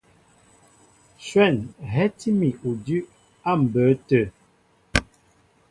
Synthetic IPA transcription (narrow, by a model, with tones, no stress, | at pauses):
ʃwɛ˦˨nɦɛ˦ti˦mi˨ʔu˨dʉ˦ | a˦˨m̩˨bə˨˦tə˨